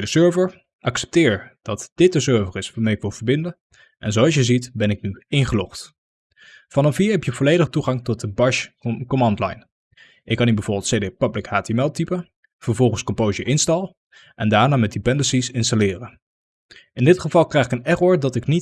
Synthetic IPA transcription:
dəsøːɹvəɹ | ʔɑksɛ̥p̚tɪːɹd̥ɑtd̥ɪt̚dəsøɹvərɪsʋaːɹmejɪkʋɪlˠvəɹbɪndə | ʔɛnzowɑlˠs̬jəzitbɛnɪknyɪŋχəlɔχt | vɑnɔfiːɹɦɛpjəvɔlejdəχtuχɑŋtɔt̚dəbɑɹʃkomɑndla̰jn | ʔɪkːɑnibəv̥ʊɹbɪlˠtsejdepablɪkhaːtemɛlˠtipə | v̥əɹvɔlˠχənskɔmpowzəʔɪnstɑlˠ | ʔɛndaːɹnaːmɛt̚dipɛndəsisɪnstalɪːrə | ɪndɪtχəvɑlˠkrɛjχɪkənɛrɔɹdɑtɪknit

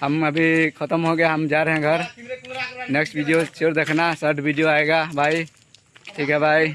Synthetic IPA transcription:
ɦəmɐbʱikʰət̪əmɦoɡɐjaɦəmd͡ʒaːɾeɦɛ̃ɡʱɐɾ | neːksʈʋiɖijot͡ʃeɾd̪eːkʰnasəɾʈbiɖijoaːeɡabʱaːi | ʈʰiːkɦɛbʱaːi

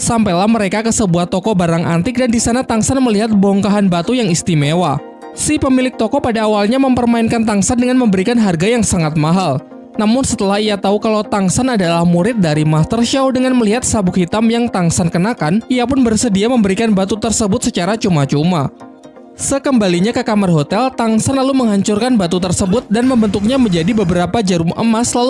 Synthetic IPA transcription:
sampajlahməɾekakəsəbuaht̪ɔkɔbaɾaŋʔa̰nt̪ɪk̚dandisanat̪aŋsanməliɦat̪̚bɔŋkaɦanbat̪ujaŋist̪imewa | sipəmilɪk̚t̪ɔkɔpadaːwalɲaməmpərmainkant̪aŋsandəŋanməmbəɾikanɦarɡajaŋsaŋat̪̚maɦal | namʊnsət̪əlahijat̪aukalawt̪aŋsanadalahmuɾɪt̪̚daɾimast̪ərʃawdəŋanməliɦat̪̚sabukhit̪amjaŋt̪aŋsankənakanijapʊnbərsədiaməmbəɾikanbat̪ut̪ərsəbʊt̪̚sət͡ʃaɾat͡ʃumat͡ʃuma | səkəmbaliɲakəkamarɦot̪ɛlt̪aŋsanlaluməŋɦaɲt͡ʃʊrkanbat̪ut̪ərsəbʊt̪̚danməmbənt̪ʊk̚ɲaməɲd͡ʒadibəbəɾapad͡ʒəɾumʔə̰maslal

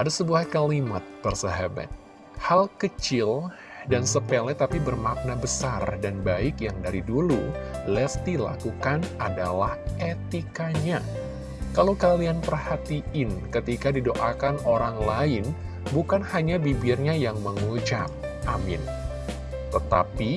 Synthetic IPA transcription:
ʔadasəbuahkalimat̪̚ːərsəɦaba̰t̪̚ | halkət͡ʃɪl | dansəpelɛt̪apibərmak̚nabəsardanbaɪkjaŋdaɾidululɛft̪ila̰kukanʔada̰lahet̪ikaɲa | kalowkalianpərhat̪iʔɪnkət̪ikadidoʔakanoɾaŋlaɪn | bukanhaɲabibɪrɲajaŋməŋud͡ʒak̚ | amɪ̰n | t̪ət̪a̰pi

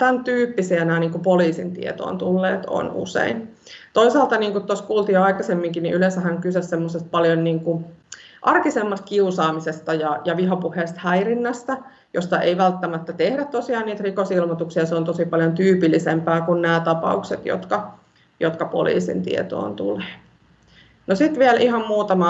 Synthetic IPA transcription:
t̪ænt̪yːpːisiænæːniːŋkupoliːsḭnt̪ḭḛt̪o̰ːnt̪ulːeːt̪o̰nṵsḛin | t̪oisɑːlt̪ɑniːŋkut̪t̪oskuːlt̪iːɑikɑsemːiŋkinḭʔylensæhæŋkysessemːosest̪̚pɑljonniːŋkuʔɑrkisemːɑst̪̚kiusɑːmisest̪ɑjɑjɑʋiɦɑpuheːst̪hæirinːæst̪æ | jost̪ɑḛiʋælt̪ːæmæt̪ːæt̪ehɾæt̪tːosiɑːniːt̪rikosilmot̪uksijɑseont̪osipɑljont̪yːpilːisempæːkunnæːt̪ɑpɑ̰ukset̪jo̰t̪kɑ | jot̪kɑpo̰lḭːsḭnt̪ḭḛt̪o̰ːnt̪ṵleː | nosit̪ʋiælʔihɑmmuːt̪ɑmɑ

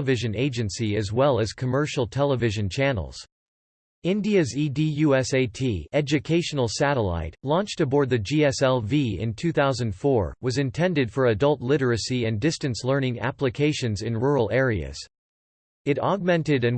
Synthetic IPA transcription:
vɪʒɨ̃neɪd͡ʒɨ̃nsiɨzwɛlˠɨz̥kʰəmɜ˞ʃl̩ˠtʰɛlˠəvɪʒɨ̃nt͡ʃʰænl̩ˠz̥ | ɪ̃ndiɨzidijʉɛseɪtʰiɛd͡ʒɨkʰeɪʃɨn̩l̩ˠsæɾəla̰ɪtlɔ̃nt͡ʃtɨbɔɹd̪̚ðɨd͡ʒiɛsɛlˠviɪ̰̃ntʰʉθaʊzɨ̃nd̥fɔɹwʌzɨ̃ntʰɛ̃ndɨd̥fə˞ɨdʌlˠtˡlɪɾə˞ɨsiɨ̃ndɪstɨ̃nslɜ̃˞nɪ̃ŋæ̰pləkʰeɪʃɨ̃nzɨ̃nɹuɹl̩ˠɛɹiɨ̰z̥ | ɨɾɑɡ̚mɛ̃ntɨɾɨ̃n

